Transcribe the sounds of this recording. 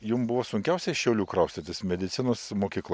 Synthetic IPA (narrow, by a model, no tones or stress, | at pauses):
jʊmbʊʋoːsʊŋʲkʲɛʊsʲɛɪʃʲɛʊlʲuːkɾɐʊst̪ʲɐt̪ʲɪsmʲɛd̪ʲɪt̪sʲɪnoːsmoːkʲiːklˠ